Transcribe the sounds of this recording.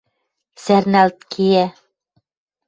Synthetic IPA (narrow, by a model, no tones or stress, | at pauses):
sæɾnælt̪kʰiæ